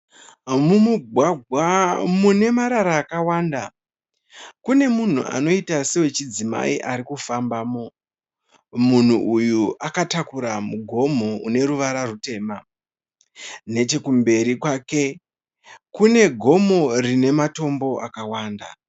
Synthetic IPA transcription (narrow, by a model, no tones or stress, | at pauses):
mumuɡʱwaɡʱwamune̞maɾaɾaːkawaːnda | kune̞mun̤ṵʔa̰no̞itasewe̞t͡ʃid͡zima̰iʔaɾikufambaːmo̞ | mun̤uʔujuʔakatakuɾamuɡʱo̞moune̞ɾuʋaɾarute̞ːma | ne̞t͡ʃe̞kumbe̞ɾikwaːke̞ | kune̞ɡʱo̞mo̞rine̞mato̞mbo̞ʔakawaːnda̰